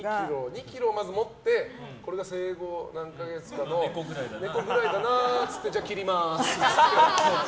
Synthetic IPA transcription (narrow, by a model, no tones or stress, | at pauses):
kʲiɾoɲ̟ikʲiɾo̞ːmazɨmo̞t̪ːe̞ko̞ɾe̞ɡase̞ːɡo̞nãŋkaɡe̞t͡sɨ̥kanone̞ko̞ɡɯ̟ɾaid̪anaːt͡sɨ̥t̪ːe̞d͡ʑaːkʲiɾʲimasskea